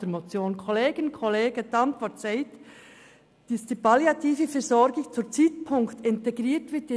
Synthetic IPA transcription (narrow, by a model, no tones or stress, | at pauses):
əmot͡sjoːnkʰɔleːɡənkʰɔleːɡətɑntʋɔɾtsaɪt | d̥isd̥iːpʰɑljɑtʰiːfəfɛzɔɾɡɪt͡sut͡siːtpʰʊŋktɪnteɡɾiːtʋɪtɪ